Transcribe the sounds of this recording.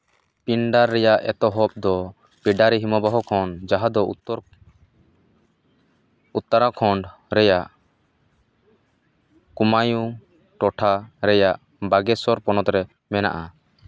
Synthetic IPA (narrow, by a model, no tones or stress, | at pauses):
piɳɖaɾːɛjaʔɛ̰t̪ɔɦɔp̚d̪ɔ | piɖaɾiɦimɔbaɦɔkʰɔɳɖd͡ʒaɦad̪ɔ | ut̪ːaɾakʰɔɳɖɾɛjaʔ | kumaju | ʈɔʈʰaɾɛjaʔ | baɡɛsɔɾpɔnɔt̪ɾɛ | mɛna̰ʔa